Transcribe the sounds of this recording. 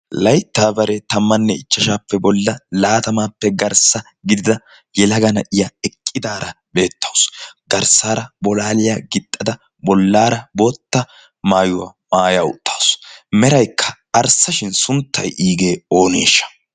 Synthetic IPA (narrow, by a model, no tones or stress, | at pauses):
lɐjt̪ːaːbɐɾɛt̪ɐmːɐnːɛɪt͡ʃːɐʃaːpːɛbɔlːɐlaːt̪ɐmaːpːɛɡɐɾsɐ | ɡɪd̪ɪd̪ɐ | jɛlɐɡɐnɐʔɪjɐɛkʼːɪd̪aːɾɐ | be̞ːt̪ʰːɐwsɡɐɾsaːɾɐbɔlaːlɪjaɡɪt̪ʼːɐd̪ɐ | bɔlːaːɾɐbo̞ːt̪ːɐ | maːjʊwɐ̰maːjaːʊ̰t̪ʰʼːɐwsmɛɾɐjkʰːɐ̥ː | ɾsɐʃɪnsʊnt̪ːɐjʔiːɡeːo̞ːne̞̰ːʃːɐ̥